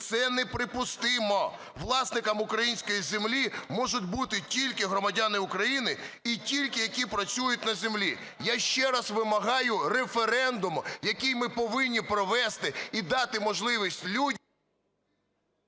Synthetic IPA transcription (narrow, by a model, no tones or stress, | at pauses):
t̪sɛnɛpɾɪpʊst̪ɪmɔ | ʋlˠɑsnɪkɐmʊkɾɐjinʲsʲkɔjizemlʲimɔʒʊt̚ʲbut̪ɪtʲilʲkɪɦɾɔmɐdʲanɪʊkɾɐjinɪitʲilʲkɪjɐkʲipɾɐt͡sʲujʊt̚ʲnɐzemlʲi | jaʃt͡ʃɛɾɐsʋɪmɐɦɑjʊrefeɾɛnd̪ʊmjɐkɪjmɪpɔʋɪnʲːipɾɔʋɛst̪ɪid̪ɑt̪ɪmɔʒlˠɪʋʲisʲtʲlʲudʲ